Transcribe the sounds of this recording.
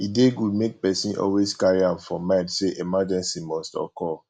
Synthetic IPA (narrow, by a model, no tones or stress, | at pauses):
ideɡumek̚pɛsĩnʔɔ̰lweskaɹiãmfɔmãɪtseʔemad͡ʒɛ̃nsimɔstɔ̰kɔ